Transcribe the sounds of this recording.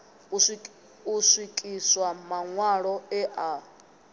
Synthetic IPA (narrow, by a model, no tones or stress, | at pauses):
usʷwikʼiswamaŋwaɺɔɛʔa